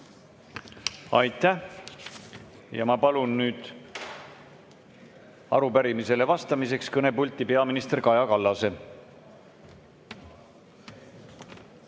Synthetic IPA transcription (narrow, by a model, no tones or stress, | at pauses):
ɑjt̪ːæh | jɑmɑpɑlunːyːd̪̥ | ɑ̰ɾupæɾimise̞le̞vɑst̪ɑmis̬e̞kskɤne̞pulʲt̪ːˑipe̞ɑminist̪erkɑjɑkɑlːɑse̞